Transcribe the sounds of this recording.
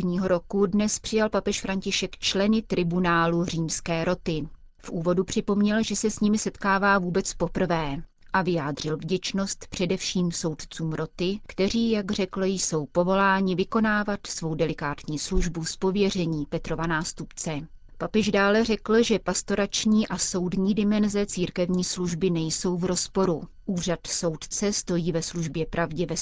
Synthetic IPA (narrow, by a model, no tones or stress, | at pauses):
ɲiːɦo̞ɾokudnɛspr̝̥ɪjalpapɛʃfɾaɲcɪʃɛkt͡ʃlɛnɪt̪ɾɪbunaːlur̝iːmskɛːɾo̞t̪ɪ | fʔuːvo̞dupr̝̥ɪpo̞mɲɛlʒɛsɛsɲɪmɪsɛt̪kaːvaːvuːbɛt͡spo̞pr̩vɛː | ʔavɪjaːdr̝ɪlvɟɛt͡ʃno̞st̪pr̝̥ɛdɛfʃiːmso̞wt̪t͡suːmɾo̞t̪ɪkt̪ɛr̝iːjaɡr̝ɛkl̩jso̞wpo̞vo̞laːɲɪvɪko̞naːvat̪svo̞wdɛlɪkaːt̪ɲiːsluʒbuspo̞vjɛr̝ɛɲiːpɛt̪ɾo̞vanaːst̪upt͡sɛ | papɛʒdaːlɛrɛkl̩ʒɛpast̪o̞ɾat͡ʃɲiːʔaso̞wdɲiːdɪmɛnzɛt͡siːɾkɛvɲiːsluʒbɪnɛjso̞wvɾo̞spo̞ɾu | ʔuːr̝at̪so̞wt̪t͡sɛst̪o̞jiːvɛsluʒbjɛpɾʔavɟɛvɛ